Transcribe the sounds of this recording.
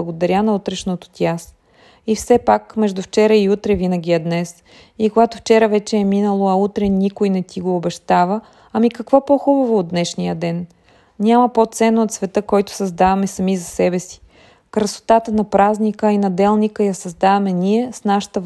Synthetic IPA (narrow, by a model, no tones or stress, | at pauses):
ɡod̪ɐɾʲanɐut̪ɾɛʃnot̪o̥t̪ʲjas | ifsɛpakmɛʒd̪uft͡ʃɛɾəiut̪ɾɛvinəɡʲiɛd̪nɛs | ikoɡat̪ʊft͡ʃɛɾəvɛt͡ʃɛːminəlˠoɐut̪ɾɛnʲikojnɛt̪ʲiɡoːbɛʃt̪avə | ɐmikɐkvɔpoxubɐvoːd̪d̪nɛʃnijəd̪ɛn | nʲamɐpot̪sɛnːoːt̪svɛt̪əkɔjt̪ʊ̥sɐzd̪avɐmɛsɐmizɐsɛbɛsi̥ | kɾɐso̥t̪at̪ənɐpɾaznikəinɐd̪ɛlˠnikəjɐsɐzd̪avɐmɛnʲiɛsnaʃə̥t̪əv